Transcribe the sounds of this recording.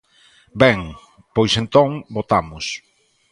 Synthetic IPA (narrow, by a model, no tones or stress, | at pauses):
bɛŋ | pojsent̪õŋbot̪amʊs